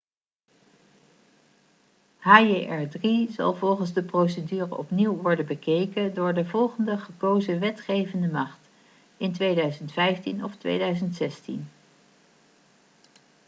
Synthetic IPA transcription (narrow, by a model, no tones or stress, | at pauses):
ɦaːeʔɛɹdrizɑ̰lˠvɔlˠχənzdəprowsədyːrəʔɔpniwʋɔɹdənbəkejkədʊːɹdəvɔlˠχəndəχəkowzəʋɛtχejvəndəmɑχt | ɪntʋejdœɥzəntfɛjftinɔftʋḛjdœɥzəntsɛstḭn